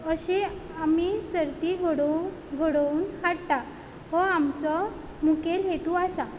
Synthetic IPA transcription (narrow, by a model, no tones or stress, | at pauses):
əɕeamisəɾt̪iɡʱoɽɡʱoɽunɦaɽt̪a | ɦɔamt͡sɔ | mukelɦet̪uasa